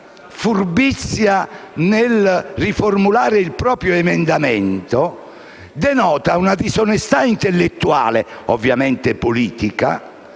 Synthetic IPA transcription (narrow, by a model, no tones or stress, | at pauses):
fuɾbit̪sːjanelrːifoɾmulaːɾeilpɾɔːpɾjɔɛmɛnd̪amɛnt̪ɔ | d̪ɛnɔːt̪aunad̪isɔnɛst̪aint̪elːet̪ːua̰ːlɛovːjamɛnt̪ɛpoliːt̪ika̰